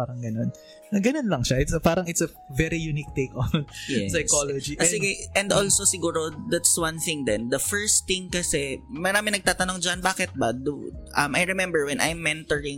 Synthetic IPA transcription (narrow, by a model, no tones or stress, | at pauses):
paːɾɐŋɡɐnon | ɐɡɐnonlɐŋʃaʔɪt̪sɐpaːɾɐŋɪt̪sɐ | vɛɾijunik̚t̪ekonjɛsɐjkolod͡ʒiʔsɪɡɪʔɛnd̪olsosɪɡuːɾod̪at̪swɐ̃nθɪ̃ŋd̪ɛnd̪ɐfɛɹst̪θɪ̃ŋkɐsɛmɐɾaːmɪŋnɐɡ̚t̪aːt̪ɐno̞ŋd͡ʒɐnbaːkɛt̪̚bɐd̪uʔɐ̰majɹɛmɛmbɛɹwɛnʔa̰jmːɛnt̪ɔɹɪŋ